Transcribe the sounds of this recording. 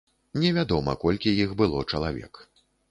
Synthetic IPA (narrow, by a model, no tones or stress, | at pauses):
nʲɛvʲad̪ɔmɐ̰kɔlʲkʲijixbɨlˠɔt͡ʂɐlˠavʲɛ̰k